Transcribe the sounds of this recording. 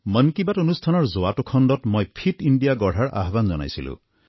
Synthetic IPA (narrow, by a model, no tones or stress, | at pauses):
mənkibatonust̪ʰanɔɹzoatukʰɔndɔtmojpʰitiɳɖijaɡɔɽ̤aɹa̰ɦband͡ʒɔna̰jsilṵ̃